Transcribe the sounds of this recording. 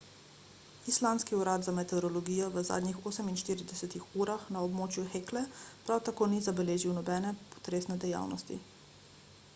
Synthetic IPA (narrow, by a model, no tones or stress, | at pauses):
islaːnskiuɾad̪zamɛt̪ɛɾɔlɔɡijɔʋəza̰ːd̪nixoːsəminʃt̪iːɾid̪ɛsɛt̪ixuːɾaxnaɔbmoːt͡ʃjuxeːklɛpɾawt̪akoːnizabɛleːʒiwnɔbɛːnɛpɔ̥t̪ɾeːsnɛd̪ɛja̰ːwnɔ̰st̪ḭ